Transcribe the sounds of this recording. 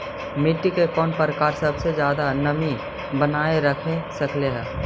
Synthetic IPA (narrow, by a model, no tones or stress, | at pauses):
mɪʈːikekɔːnpɾəkaːɾsɐbsezjaːd̪anɐmi | bənaːeɾɐkʰesɐkʰleɦɛː